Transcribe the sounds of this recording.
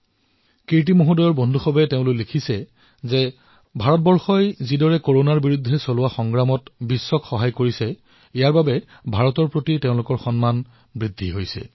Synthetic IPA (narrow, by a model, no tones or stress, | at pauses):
kiɹt̬imoɦudɔjɔɹbɔndʱuxɔbɛteʊ̃lʊjlekʰisɛ | ze | bʱaɹɔt̚bɔɹxɔjzidɔɹɛkoɹonaɹbiɹudʱːɛsolʊwaxɔŋɡɹamɔtbisːɔkxɔɦajkoɹisɛ | ijaɹbabɛ | bʱaɹɔtɔɹpɹotiteʊ̃lʊkɔɹxɔnman | bɹidʱːiɦojsɛ̰